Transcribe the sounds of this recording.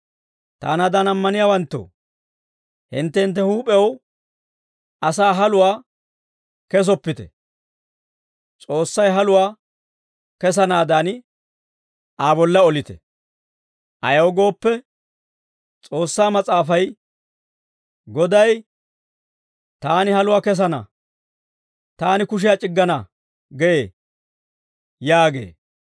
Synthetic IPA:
t̪a̰ːnaːd̪anɐmːɐnɪjaːwɐnt̪ːo̰ː | hɪnt̪ːɛhɪnt̪ːɛhuːpʼɛw | ɐsaːɦɐlʊwaː | kɛs̬ɔpːɪt̪ɛ̰ | t͡sʼo̞ːsːɐjɦɐlʊwaː | kɛs̬ɐnaːd̪aːn | ʔaːbɔlːɐɔlɪt̪ɛ̥̰ | ʔɐ̰jɐwɔɡo̞ːpːɛ | t͡sʼo̞ːsːaːmɐt͡sʼaːfɐj | ɡɔd̪ɐj | t̪aːnɪhɐlʊwaːkɛs̬ɐnɐ̰ | t̪aːnɪkʊʃ̬ɪjat͡ʃʼɪɡːɐnɐ | ɡɛjeː | jaːɡḛː

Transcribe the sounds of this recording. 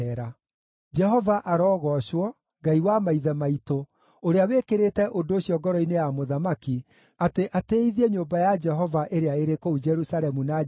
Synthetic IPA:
ɛɾa | d͡ʒɛɦɔvaʔaɾɔːɣɔɕwɔ | ŋɡaiwamaiðɛmaito | oɾeawekeɾetɛʔodoːɕjɔɡɔɾɔinejamoðamaki | ateʔateiðiɛɲoːmbajad͡ʒɛɦɔvaʔeɾeaeɾekoud͡ʒɛɾusaɾɛmuna

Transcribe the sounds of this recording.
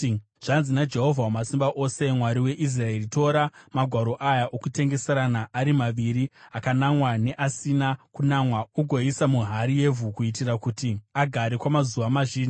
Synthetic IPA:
ʐ̥anzinad͡ʒe̞ɦo̞vʱawamasimbaʔo̞se̞mwaɾiwe̞ʔis̬rae̞ɾito̞ːɾamaɡʱwaɾo̞ʔajaʔokute̞ŋɡe̞seɾanaʔːɾimaʋiɾiakanamwane̞ʔasinakunamwauɡʱo̞isamuɦaɾije̞vʱukuitirakutiaɡʱaɾekwamazuʋamaʒiːni

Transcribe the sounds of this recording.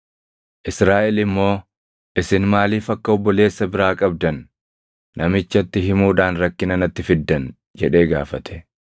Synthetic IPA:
ʔɪsɾaːʔɛlɪmːo̞ː | ʔɪsɪnmaːliːfɐkːɐɔbːɔle̞ːsːɐbɪɾaːkʼɐb̚d̪ɐnː | ʔɐmɪt͡ʃːɐt̪ːɪɦɪmuːᶑ̪aːnɾɐkːɪnɐnɐt̪ːɪfɪd̪ːɐn | d͡ʒɛᶑe̞ːɡa̰ːfɐt̪ʰɛ̥

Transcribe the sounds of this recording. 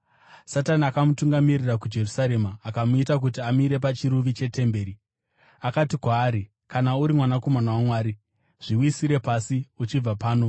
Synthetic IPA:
sataniakamutuŋɡamirirakud͡ʒe̞rusaɾe̞maːkamuitak̬ut̬iamiɾe̞p̬at͡ʃiɾuʋit͡ʃe̞te̞mbe̞ːɾi | akatikwaːɾi | kanauɾimwanako̞manawamwaːɾi | ʐ̥iwisiɾe̞pasiut͡ʃib͡vapaːno̞

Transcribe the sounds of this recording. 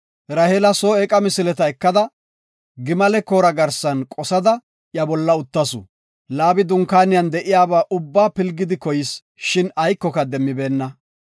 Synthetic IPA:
ɾɐhɛlɐsoːɛkʼɐmɪsɪlɛt̪ɐɛkːɐd̪ɐ | ɡɪmɐlɛkoːɾɐɡɐɾsɐnkʼɔsɐd̪ɐ | jɐbɔlːɐʊt̪ːɐsʊ̰ | laːbɪd̪ʊŋkaːnɪjɐnd̪ɛʔɪjaːbaːʔʊbːaːpɪlɡɪd̪ɪkɔjɪs | ʃɪnɐjkːɔkɐd̪ɛmːɪbe̞ːnːɐ

